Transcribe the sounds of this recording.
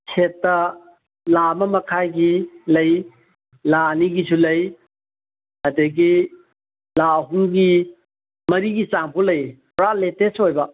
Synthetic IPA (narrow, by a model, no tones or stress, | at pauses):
sʰetːɐ | lamɐmɐkʰajɡilɐj | laɐniɡisulɐj | ɐdɐɡi | laɦuŋɡi | mɐɾiɡit͡ʃaŋpʰolɐjpɾaletesojbɐ